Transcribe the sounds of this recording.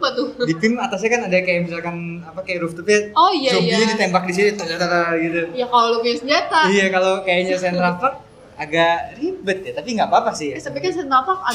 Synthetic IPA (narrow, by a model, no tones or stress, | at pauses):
pat̪ʊdipɪmat̪as̬ɲakanadakajaʔbisalkanapakajaɾuft̪upaojaobiɲadit̪embak̚dis̬init̪ud͡ʒat̪aɾaɡit̪ujakalolokasəɲat̪aijakalokajaɲasɛnt̪ɾafək̚ | aɡaʔribət̪̚jat̪apiŋɡaʔbapasɪhjsabat̪kansɛt̪mapak̚a